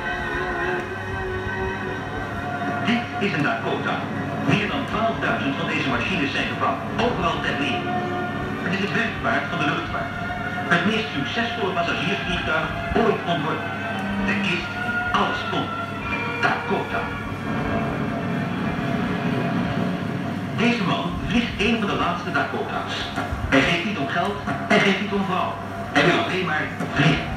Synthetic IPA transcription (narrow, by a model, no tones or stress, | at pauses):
dɪt | ɪzəndatkoda̰ | mɪːɹdɑntʋaːlˠəvdœɥzə̃ntfɑ̃ndejzəmaʃinəsɛjnχəbɑwtowˠvərɑlˠtɛtnɪː | ətɪzəbɛntvaːɹtfɑndəlɵχtpa̰ːɹt | ɦətmɪstsɵksɛsfɔlˠəvɑsasiːɹfiːʁdœɥzəntojtɔntvɔɹd | ɛɹɪst | ɑləskɔn | d̥a̰ːkɔta̰ | dejzəmɑnvlɪχtejnvɑndəlaːtstədakota̰ːs | ɛjχejftnitɔmχɛlˠtɛnχejftnitɔmvrɑw | ɛɹʋɪlɑleːnmaːɹvlɪχn